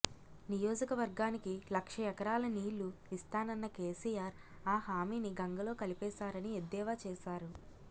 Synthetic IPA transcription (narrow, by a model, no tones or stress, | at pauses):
nijo̞ːd͡ʒɐkɐʋɐɾɡaːnikilɐkʂɐɛkɐɾaːlɐniːlːuist̪aːnɐnːɐkeːsiːjaːɾ | aːhaːmiːniɡɐŋɡɐlo̞ːkɐlipɛːʃaːɾɐnied̪ːɛːʋaːt͡ʃɛːʃaːɾu